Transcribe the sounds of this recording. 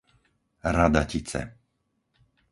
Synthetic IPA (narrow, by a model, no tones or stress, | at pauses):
ɾad̪acit͡sɛ̰